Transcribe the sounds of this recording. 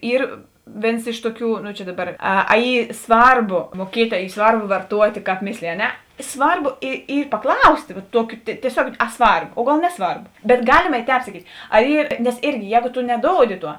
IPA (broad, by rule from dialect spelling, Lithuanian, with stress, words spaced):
ˈiːr ˈʋʲeːns ˈɪʃ tʊˌkʲuː noː t͡ʃʲɛ ˈdɑːˌbɐr ˈɐ ɐ ˈiː ˈsʋɐrˌboː muɔˈkʲiɛtʲ ɐ ˈiː ˈsʋɐrˌboː ʋɐrˈtuɔtʲ kɑːp ˈmʲɪsʲlʲeːjɪ ɐ ˈnʲɛ ˈsʋɐrˌboː ɪ ˈiː pɐˈklˠɐʊsʲtʲeː ʋɐ ˈtuɔkʲʊ tʲiɛˈsʲoːk ɐ ˈsʋɐrp oː ˈɡɐlˠ ˈnʲæːˌsʋɐrp bʲɛt ˈɡɑːlʲɪmɐ ˈtʲɛːp sɐˈkʲiːtʲ ɐ ˈiː nʲɛs ˈɪrʲɡʲɪ ˈjɛːɡoː toː nʲɛˈdoːʊdʲɪ ˈtuɔ